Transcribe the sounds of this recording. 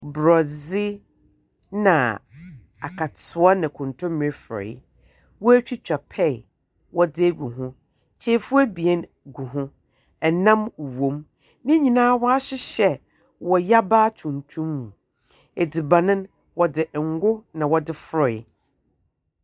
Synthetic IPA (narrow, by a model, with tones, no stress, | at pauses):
bɾɔ˨zi˦ | nã̰˨ | a˨kʰa˨tʰʊ˨˦a˦nã˨kʰʊ̃˨ntʰʊ̃˦m˨ɛ˦fɾɔ̰˨˦ | wɔ˦æ˦t͡ɕᶣi˦t͡ɕᶣa˨pʰɛ˦˨ | wɔ˦dɪ˦ɡu˨ɦʊ̃˦ | t͡ɕʰe˨˦fʊ˦ɛ˦bi˨ɛ˦n | ɡu˨ɦʊ̃˦ | ɛ˨nã˦m˨wõ˨˦m | nɪ̃˦ɲĩ˨nãː˦wɔ˦a˦ɕɪ˦ɕɛ˦ | wɔ˨ja˦baː˦tʰũ˨n˨tʰũ˦mːũ˨ | e˨di˨bã˨nɪ̃˦n | wɔ˨dɪ˨ʔŋ̩˦ɡʊ˦nã˨wɔ˨dɪ˦fɾɔ̰˨